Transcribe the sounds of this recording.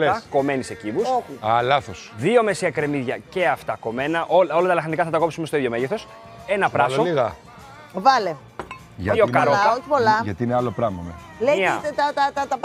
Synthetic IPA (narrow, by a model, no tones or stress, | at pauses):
leɐko̞me̞nise̞civusoɐlɐθosðio̞me̞siɐkɾe̞miðʝɐce̞ɐft̪ɐko̞me̞nɐʔolo̞lɐt̪ɐlɐxɐnikɐθɐt̪ɐko̞psumest̪oiðʝomeʝeθo̞s | e̞nɐpɾɐsooliɣɐ | vɐle | ʝɐokɐɾooçi̥polɐʝɐt̪ineɐlopɾɐmɐme | leiɐt̪ɐt̪ɐt̪ɐt̪ɐp